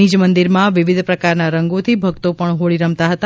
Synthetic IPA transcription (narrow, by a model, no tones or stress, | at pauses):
id͡ʒmənd̪iɾmãʋɪʋid̪ʱpɾəkaɾnaɾəŋɡot̪ʰibʱəɡt̪opəɳɦoɭiɾə̃mt̪aɦət̪a